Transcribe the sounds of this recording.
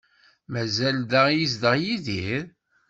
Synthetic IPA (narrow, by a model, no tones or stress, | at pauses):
mæzælðæjisd̪əʁjiðiɾ